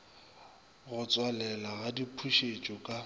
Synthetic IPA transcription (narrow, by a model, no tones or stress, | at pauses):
ɣʊt͡sʼwalɛlaɣadipʰuʃet͡ʃʼɔkʼa